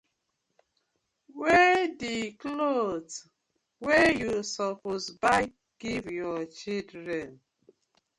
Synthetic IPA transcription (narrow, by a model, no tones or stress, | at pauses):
wediklot | wejusɔposba | ɡ̥ivjɔt͡ʃildɾɛn